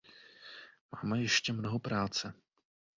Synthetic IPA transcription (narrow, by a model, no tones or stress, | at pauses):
ma̰ːmɛjɛʃcɛmnoɦopɾaːt͡sɛ